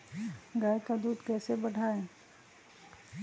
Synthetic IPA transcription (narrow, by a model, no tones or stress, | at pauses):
ɡaːjekad̪uːd̪kɛːsebəɽʱaːẽː